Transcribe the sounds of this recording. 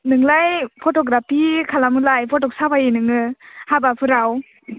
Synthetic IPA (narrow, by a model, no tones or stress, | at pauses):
nɯŋlajpʰɔtɔɡɾapʰikʰalamɯlajpʰɔtɔk̚sabajinɯŋɯhabapʰɯɾaw